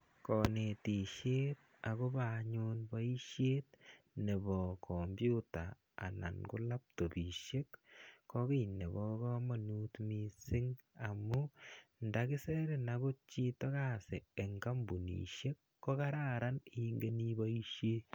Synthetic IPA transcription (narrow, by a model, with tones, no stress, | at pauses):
kɔ˨ne˨ti˨ʃe˦t̪̚ | a˨ko˦ba˨ɲo˦nba˦i˦ʃjeː˦t̪̚ | ne˨bɔ˨kʰɔ˨mbju˦ta̰ː˨ | na̰˨nɡu˦la˦p̚to˨bi˨ʃe˦kːɔ˦ɡi˦ne˨βɔ˦kɔ˦ma˨nu˦tmi˦sɪ˦ŋ | a˨mu˦nda˨ki˦se˦ɾe˨naɡo˦t͡ʃi˦tɔ˦ɣa˦˨se˨e˨ŋɡa˦mbu˨nḭ˨ʃe˦kːɔ˦ka˦ɾa˦ɾa˦ni˦ŋɡe˦ni˦ba˦i˦ʃje˦